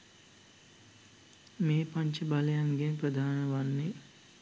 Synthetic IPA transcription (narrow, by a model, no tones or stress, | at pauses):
meːpaɲt͡ʃəbaləjaŋɡenprəd̪ʱaːnəʋanːe